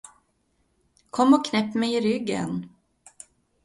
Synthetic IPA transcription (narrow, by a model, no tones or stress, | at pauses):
kʰɔmːɔkʰnɛpːmɛjɪɾʏɡːə̰n